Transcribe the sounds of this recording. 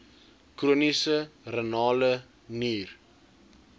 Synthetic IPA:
kruənisərənɑːlə | niːr

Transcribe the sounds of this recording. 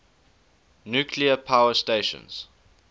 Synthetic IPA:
njuːkʰliəpʰaʊəsteɪʃə̰̃nz̥

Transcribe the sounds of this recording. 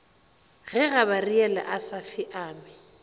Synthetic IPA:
ɣɛɣabariɛla̰ʔasafɪʔaːmɪ

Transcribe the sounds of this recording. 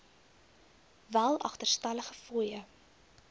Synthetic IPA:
vælˠɐ̰χtərstɐləχəfujə

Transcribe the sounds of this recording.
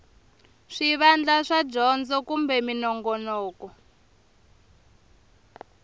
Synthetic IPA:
ʂiβand͡ɮaʂad͡ʒɔnd͡zɔkumbɛminɔŋɡɔnɔːkɔ

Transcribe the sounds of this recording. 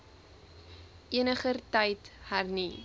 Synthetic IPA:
ʔiənəχərtɐjthærni

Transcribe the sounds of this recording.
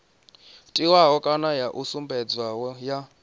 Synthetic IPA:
tʼiwaɦɔkʼanajaʔusumbɛd͡zwawɔja

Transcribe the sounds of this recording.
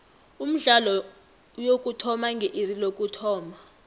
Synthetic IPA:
um̩ɮalɔ | jokʼutʰɔmaŋɡʱɛʔirilokʼutʰɔːma

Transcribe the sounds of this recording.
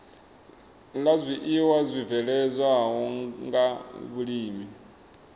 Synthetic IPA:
lazʷiʔiwazʷivɛɺɛzʷaɦɔŋɡaβuɺiːmi

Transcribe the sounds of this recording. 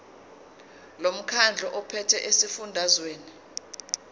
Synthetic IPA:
lom̩kʰand͡ɮʱɔʔɔpʰɛtʰɛʔesifundʱazweːni

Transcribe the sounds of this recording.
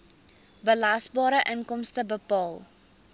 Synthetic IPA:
bəlɐsbɑːɾəʔənkɔmstəbəpɑːlˠ

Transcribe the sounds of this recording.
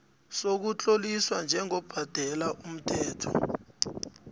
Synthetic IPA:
sok̬ut͡ɬʼoliswand͡ʒʱɛŋɔb̥ʱad̥ʱɛlaʔum̩tʰɛːtʰɔ̰

